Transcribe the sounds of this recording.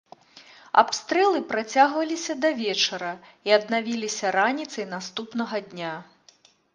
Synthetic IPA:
a̰pst̪ɾɛlˠɨpɾat͡sʲaɣvɐlʲisʲɐd̪ɐvʲɛt͡ʂɐɾɐiɐd̪navʲilʲisʲɐɾanʲit̪sɐjnast̪upnɐɣɐd̪ʲnʲa

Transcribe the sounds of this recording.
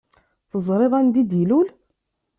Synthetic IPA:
θəzˤɾˤeðˤænd̪id̪jlul

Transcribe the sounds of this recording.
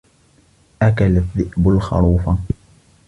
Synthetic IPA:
ʔakalaðːɪʔbʊlxɑ̰ɾˤuːfa

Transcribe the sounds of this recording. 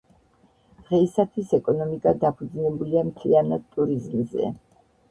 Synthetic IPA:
d̪̥ʁɛisat̪ʰwisɛkʼɔnɔmikʼad̪apʰud̪znɛbuliamt̪ʰlianad̪̚t̪ʼuɾizmzɛ̰

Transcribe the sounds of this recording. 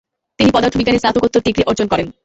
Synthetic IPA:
t̪inipɔd̪aɾt̪ʰobiɡːanesat̪ʰokot̪ːoɾʈikɾiʔɔɾd͡ʑonkɔɾen

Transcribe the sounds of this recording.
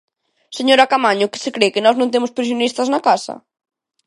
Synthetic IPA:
seɲoɾakamaɲʊkɪ̥sɪkɾekɪnɔznõnt̪̬emʊspɾisjonist̪ɐznakasɐ̰

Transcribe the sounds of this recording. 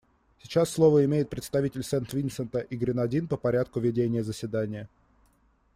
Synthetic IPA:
sʲɪt͡ɕasːlˠo̞vəɪmʲejɪt̪̚pɾʲɪt̪st̪ɐvʲitʲɪlʲsɛnt̪vʲinsənt̪əʔiɡɾʲɪnɐdʲinpəpɐɾʲat̪̚kʊvʲɪdʲenʲɪjəzəsʲvʲɪd̪anʲɪjə

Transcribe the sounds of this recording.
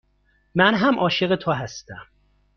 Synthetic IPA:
mænɦæmʔɒːʃeɣet̪ʰoɦæst̪æm

